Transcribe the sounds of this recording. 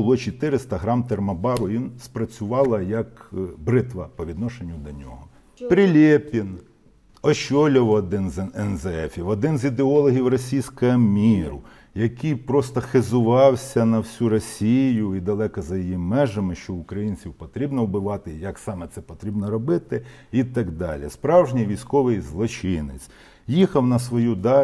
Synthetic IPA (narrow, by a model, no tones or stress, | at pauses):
ʊlˠɔt͡ʃit̪ɪɾɪst̪ɐɦɾɑmt̪ermɐbɑɾʊʋʲinspɾɐt͡sʲʊʋɑlˠɐjɐkbɾɪt̪ʋɐpɔʋʲid̪nɔʃenʲːʊd̪ɔnʲɔ̰ɦɔ | pɾɪlʲepʲin | ɔʃɔlʲɔwːd̪ɪnzɛnzɛɛfʲiwɔd̪ɪnzid̪eɔlˠɔɦʲiwrɔsʲijsʲkɐɐmʲiɾʊ̰ | jɐkɪjpɾɔst̪ɔxezʊʋɑwsʲɐnɐwsʲuɾɔsʲijjʊid̪ɐlˠɛkɐzɐjijimɛʒɐmɪʃt͡ʃɔʊkɾɐjinʲt͡sʲiwpɔt̪ɾʲibnɔwbɪʋɑt̪ɪjɐksɑmɛt̪sɛpɔt̪ɾʲibnɔɾɔbɪt̪ɪ | it̪ɑɡd̪ɑ̰lʲḭspɾɑwʒnʲijʋʲijsʲkɔʋɪjzlˠɔt͡ʃɪnɪt͡sʲ | jixɐwnɐsʋɔjud̪ɑ